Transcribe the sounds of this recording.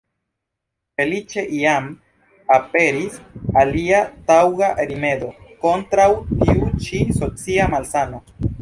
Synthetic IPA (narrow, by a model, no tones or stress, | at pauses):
fe̞lit͡ʃe̞ʔiam | apeɾisaliat̪awɣaʔeɾime̞ðo̞ko̞nt̪ɾawt̪iut͡ʃiso̞t͡siamalsano